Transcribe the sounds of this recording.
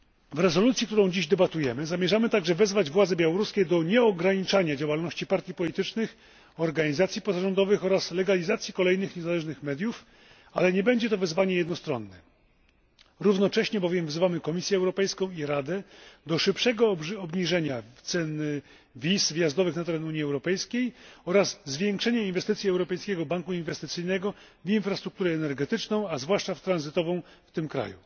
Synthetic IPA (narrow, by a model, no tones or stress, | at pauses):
vɾɛzɔlut̪sʲjikt̪uɾɔ̃w̃d͡ʑiʑd̪ɛbat̪ujɛmɘzamʲjɛʐamɘt̪aɡʐɛvɛzvad͡ʑvwad̪zɛbʲjawɔɾuskʲed̪ɔɲɛɔɡɾaɲit͡ʂaɲad͡ʑawalnɔɕt͡ɕipaɾt̪ʲjipɔlʲit̪ɘt͡ʂnɘx | ɔɾɡaɲizat̪sʲjipɔzaʐɔnd̪ɔvɘxɔɾaslɛɡalʲizat̪sʲjikɔlɛjnɘxɲɛzalɛʐnɘxmɛd̪juf | a̰lɛɲɛbɛɲd͡ʑɛt̪ɔvɛzvaɲɛjɛd̪nɔst̪ɾɔ̰nːɛ | ɾuvnɔt͡ʂɛɕɲɛbɔvʲjɛmvzɘvamɘkɔmʲisʲjɛɛwɾɔpɛjskɔ̃w̃iɾad̪ɛd̪ɔʂɘpʂɛɡɔɔbɲiʐɛɲat̪sɛn | vʲisvjazd̪ɔvɘxnat̪ɛɾɛnuɲːiɛwɾɔpɛjskʲejɔɾazzːvʲjɛŋkʂɛɲɛinvɛst̪ɘt̪sʲiɛwɾɔpɛjskʲɛɡɔbaŋkuinvɛst̪ɘt̪sɘjnɛɡɔ | vinfɾast̪ɾuk̚t̪uɾɛːnɛɾɡɛt̪ɘt͡ʂnɔ̃w̃azvwaʂt͡ʂaft̪ɾanzɘt̪ɔvɔ̃w̃ft̪ɘmkɾa̰jṵ